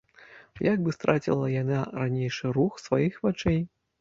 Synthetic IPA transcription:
jaɡ̚bɨst̪ɾat͡sʲḭlˠɐjanaɾanʲejʂɨɾuxsvajixvat͡ʂɛj

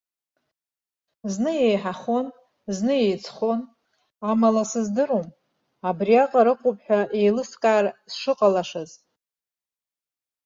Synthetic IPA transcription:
znɨjejħaχo̞n | znɨjejt͡sʰχo̞n | amalasɨzdɨɾom | abriaqʼaɾɨqʷʼopʼħᶣaʔe̞jlɨskʼaːrsʂɨqʼalaʂaz

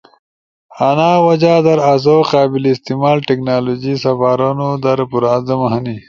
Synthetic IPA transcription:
anaːwɐd͡ʑaːd̪ɐɾaz̬oqaːbilːst̪imaːlʈeknaːloːd͡ʑisɐfaːɾanod̪ɐɾpuɾaːzɐmɐɦɐni

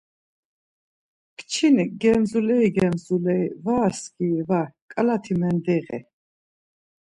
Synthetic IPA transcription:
kt͡ʃʰinɡɛnzulɛiɡɛnzulɛivaːskʼivakʼalat̪ʰimɛnd̪ɛʁɛ̰

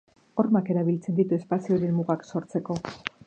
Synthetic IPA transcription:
o̞ɾmake̞ɾaβ̞ilt͡send̪it̪ue̞spasio̞ɾe̞nmuɣakso̞ɾt͡se̞ko̞

